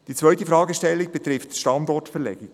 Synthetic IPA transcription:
d̥it͡sʋœɥtifɾɑːɡəʃtɛlːiɡ̚b̥ɛt̪ɾɪftʃtɑndɔtfɛlɛ̰ɡ̥i

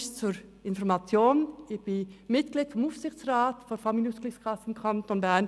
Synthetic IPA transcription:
ʃt͡suɾ | ɪnfɔʁmɑt͡sjoːnɪçb̥ɪnmɪt̚ɡ̥liːd̥fɔmuːfsɪxt͡sʁaːtfɔfɑmiluːsklɪskʰɑsəɪmkʰɑntoːnbæn

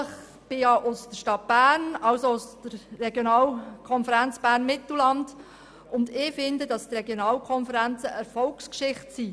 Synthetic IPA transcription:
əχ | b̥ɪɑʔʊsdəʃtɑt̚b̥æːnɑlsoʊsd̥əɾːɛɡjonɑːlkʰɔnfəɾænt͡sb̥æːrnmɪt̪l̩lɑnd | ʊndɪfɪndədɑstrɛɡjonɑːlkʰɔnfəɾænt͡səʔəɾfɔlkskʃɪχtsi

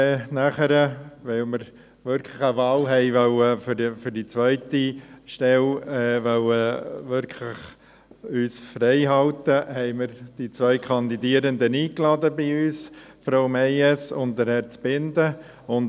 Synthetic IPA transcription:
ɛːnæχəɾəʋɛlməɾ | ʋʏɾkʰləχəʋɑːlɦɛɪʋœləfəfʏɾdit͡sʋœʏtiʃtɛlɛːʋœləʋʏɾkʰlɪχ | yːsfɾɛɪɦɑlt̪əhɛɪməɾd̥it͡sʋœʏkʰɑnd̪idiəɾənd̪əniːklɑd̪əbɪyːsfɾoʊmɛɪɛsʊntd̪əɾhɛɾt͡sb̥ɪndə | ʊn

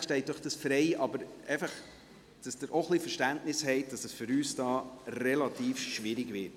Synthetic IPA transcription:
ʃtɛɪt̚d̥ɔχd̥ɑsfɾɛɪʔɑbəɾeɪfəχ | d̥ɑsd̥əɾʔoχlifəʃtæntnɪshɛɪt̚d̥ɑsɛsfʏɾyːsd̥ɑːrɛlɑtiːfʃʋɪɾɪɡʋɪt

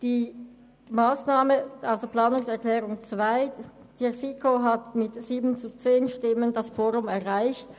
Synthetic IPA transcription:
d̥iː | maːsnaːməaʊsopl̥aːnʊŋsɛɐklɛːʁʊŋt͡sv̥aɪ | d̥ɛfikʰoɦatmɪtz̥iːbn̩t͡sut͡seːnʃtɪməndasfoːʁʊmɛɐʁaɪçt

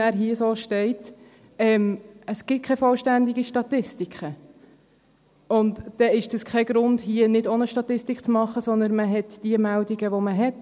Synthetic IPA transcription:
æːɾɦiəsoːʃtɛɪt | ɛːməsɡ̥ɪt̚kʰɛfɔlʃtænd̪iɡiʃtɑtɪstikʰχə | ʊntd̥ɛɪʃd̥əskʰɛɡ̥ɾʊndhiənɪdonəʃtɑt̪ɪstikt͡smɑχːəsɔnd̪ənməɦɛtd̥iəmældiɡəʋoməɦɛt

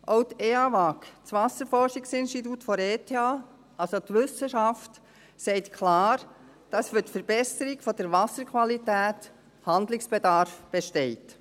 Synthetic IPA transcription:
ʔoʊteːɑʋɑkt͡sʋɑsəɾfɔɾʃiksɪnʃtit̬utfɔɾeːtʰeɑː | ʔɑlsotʋʏsəʃɑft | sɛɪtkʰlɑːɾ | d̥ɑsfytfəɾb̥ɛsəɾɪɡfɔd̥əɾʋɑsəɾkʰʋɑlitæːt | hɑnd̪lɪksb̥edɑɾfb̥eʃtɛɪt

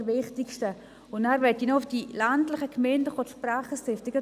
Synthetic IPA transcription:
ʋɪχtɪkʃtə | ʊndæːɾʋɛtinɔʊfd̥ilantlɪχəkʰmɛndəfotʃpraːχəstɪftɪɡə

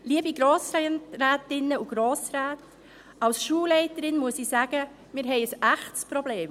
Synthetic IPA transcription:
liəbiɡɾoːsɾɾæːtɪnːəuɡ̥ɾoːsɾæːt | ɑlsʃuːlɛɪtəɾɪnmuəsiːsæːɡ̥ə | mɪːɾɦɛɪəsæχtspɾɔbleːm

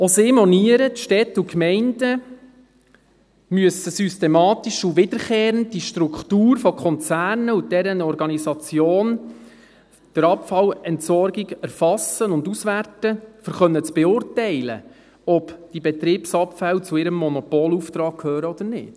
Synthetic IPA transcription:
osɪːmɔniəɾətʃtɛt̪ukmɛɪndə | myəsəsystemɑːt̪iʃuʋɪd̥̪əɾχeːɾənddiʃtɾukχtuːɾfɔkʰχɔnt͡sæːrnəud̥ɛɾənɔɾɡɑnisɑt͡sjoːn | d̥əɾɑpfɑlɛntsɔrɡiɡæɾfɑsənʊndusʋærtəfəɾχœnːət͡sb̥ɛʊrtɛɪlə̰ | ɔpd̥ibɛt̪ɾiːpsɑpfælt͡suɪɾəmːɔnɔpɔːluft̪ɾɑːk̚kʰhøːɾəɔd̪əɾnɪ̰t

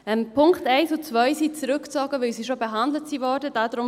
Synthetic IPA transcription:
ɛmpʰʊŋktɛɪsʊt͡sʋœɪsiːt͡sɾʏkt͡sɔːɡ̥əʋɪlsiʃobeɦandlətsiːvɔːɾdəd̥aːdɾʊm

